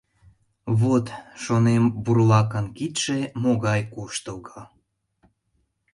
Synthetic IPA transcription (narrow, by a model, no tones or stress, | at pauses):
βot̪ʃonemburlˠɑkənkit̪ʲʃemoɣɑjkuʃt̪əɡɑ